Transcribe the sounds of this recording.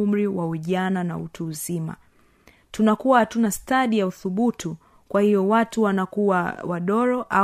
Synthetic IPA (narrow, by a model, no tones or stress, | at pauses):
um̩ɾiwaiʄanana̰ṵtuːzima̰ | tunakuwahatunastaɗijauθuɓutu | kwahijɔwatuwanakuwawaɗɔɾɔʔa